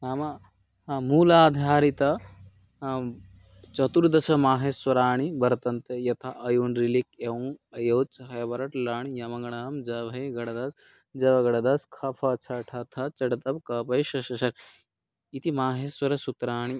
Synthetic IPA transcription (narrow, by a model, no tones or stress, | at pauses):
naːmɐ | muːlaːd̪ʱjaːɾit̪ɐ | t͡ʃɐt̪uɾd̪ɐsɐmaːɦeːswɐɾaːɳ̃ibɐɾt̪ɐnt̪ɐjɐt̪ʰɐʔɐjunɾilikewŋɐjɐwt͡ʃɦɐjɐbɐɾɐʈlaːɳjɐmɐŋɡɐɳɐɦɐmd͡ʒɐʋɐjɡɐɽɐd̪ɐs | d͡ʒɐʋɐɡɐɽɐd̪ɐskʰɐfʰɐt͡ʃʰɐʈʰɐt̪ʰɐt͡ʃɐɽɐt̪ɐb̚kɐːpɐjʃɐʃɐʃɐɾ | it̪imaːɦeːswɐɾɐsut̪ɾaːɳ̃i